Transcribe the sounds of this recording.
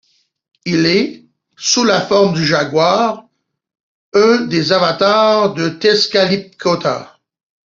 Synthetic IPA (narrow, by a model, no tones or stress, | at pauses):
ilɛ | sulafɔʁmd̪yʒaɡwaʁ | œ̃d̪ezavat̪aʁd̪ət̪ɛskalip̚kʰɔt̪a̰